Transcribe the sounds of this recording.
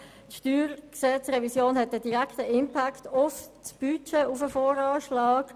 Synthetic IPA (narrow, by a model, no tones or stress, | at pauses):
tʃtyːɾksɛt͡sʁɛvisjoːnhɛt̚ədiʁaktəɪmpʰaktʊft͡sb̥yt͡ʃeʊfəfɔːɾɑːʃlɑːk